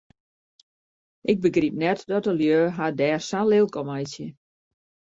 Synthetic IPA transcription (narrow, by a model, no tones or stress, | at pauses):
ʔɪɡ̚bəɡrip̚nɛtdɔtəljøːɦadɛːrsalɪlˠkɔmajsjə